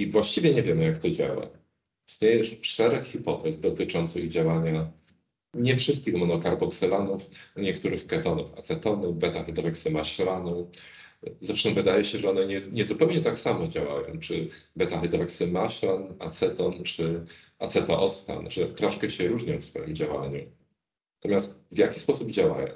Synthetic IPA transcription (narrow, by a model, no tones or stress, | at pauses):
ivwaɕt͡ɕivʲjɛɲɛvʲjɛmɘjakt̪ɔd͡ʑa̰wa̰ | ist̪ɲejɛʂʂɛɾɛkxʲipɔt̪ɛzd̪ɔt̪ɘt͡ʂɔnt̪sɨɣd͡ʑawaɲa | ɲɛfʂɘst̪̚kʲixmɔnɔkaɾbɔksɛlanufɲɛkt̪uɾɘxkɛt̪ɔnṵfa̰t̪sɛt̪ɔnubɛt̪axɛd̪ɾɔksɘmaɕlanu | zafʂɛmvɘd̪ajɛɕɛʐɛɔnɛɲɛɲɛzupɛwɲɛt̪aksamɔd͡ʑawa̰jɔ̰̃w̃t͡ʂɘbɛt̪axɛd̪ɾɔksɘmaɕlanat̪sɛt̪ɔnt͡ʂɘat̪sɛt̪ɔʔɔt̪st̪a̰nʐɛt̪ɾɔʂkɛɕɛɾuʐɲɔ̃w̃fsfɔjimd͡ʑawa̰ɲu | at̪ɔmʲjast̪vʲjakʲispɔsubd͡ʑawa̰jɔ̰̃w̃